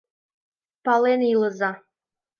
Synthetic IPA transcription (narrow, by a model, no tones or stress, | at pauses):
pɑlenilɤ̆zɑ